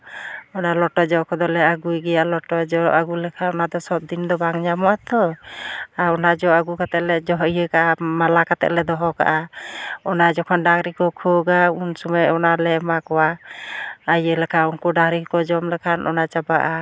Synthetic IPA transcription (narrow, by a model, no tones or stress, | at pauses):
ɔnalɔʈɔd͡ʒɔkɔd̪ɔlɛaɡujɡɛjaʔlɔʈɔd͡ʒɔʔaɡulɛkʰaɔnad̪ɔsɔb̚d̪ind̪ɔbaŋɲamɔwat̪ɔ | aɾɔnad͡ʒɔaɡukat̪ɛʔlɛd͡ʒɔɦɔjəkaʔamalakat̪ɛ̰ʔlɛd̪ɔɦɔka̰ʔaɔnad͡ʒɔkʰɔnɖaŋɾikɔkʰɔɡaunsɔmajɔnalɛmakɔwa | ajəlɛkʰaunkɔɖaŋɾikɔd͡ʒɔmlɛkʰanʔɔ̰nat͡ʃabaʔa